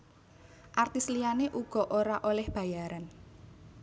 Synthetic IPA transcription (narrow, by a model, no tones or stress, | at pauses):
ʔart̪islijaneʔuɡ̥ɔ̤ʔoɾaʔolɛhb̥a̤jaɾan